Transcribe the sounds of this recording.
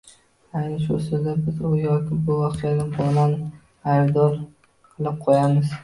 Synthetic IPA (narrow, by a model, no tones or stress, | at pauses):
ajnɪʃʊ̰sɪd̪abɪzʊjɒkʲʰɪbʊvɒqʰɨjanɪbɒlan | ajbd̪ɒɾ | qʰɨlˠɪp̚qʰojamɪz